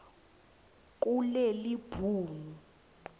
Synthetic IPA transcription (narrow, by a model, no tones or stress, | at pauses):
k̬ʼulɛlib̥ʱuːmu